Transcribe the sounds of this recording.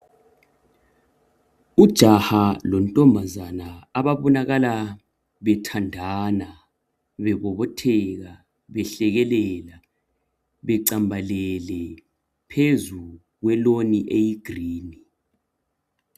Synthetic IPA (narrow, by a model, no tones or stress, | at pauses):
ud̥ʒ̥ʱahalɔntʼɔmbʱazanaaβaβɔnaɣala | βɛtʰandʱana | βɛɣɔβɔtʰɛɣa | βɛɬɛɣɛlɛla | βɛǀambʱalɛlɛ | pʰezu | ɣwɛloniʔejiɡ̥ʱriːni